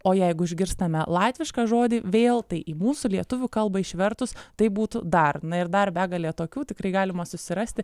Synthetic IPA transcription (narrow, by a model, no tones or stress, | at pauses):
oːjɛɪɡʊɪʒʲɡʲɪɾst̪ɐmʲɛlˠɑːt̪ʲʋʲɪʃkɑʒoːd̪ʲiːʋʲeːlˠt̪ɐɪʔiːmuːsulʲiɛt̪ʊʋʲuːkɐlˠbɐɪʃʲʋʲɛrt̪ʊst̪ɐɪbuːt̪ʊd̪ɐrnɐɪɾd̪ɐrbʲæːɡɐlʲˠiɛt̪oːkʲuːt̪ʲɪkɾɐɪɡɑːlʲɪmɐsʊsʲɪɾɐsʲt̪ʲɪ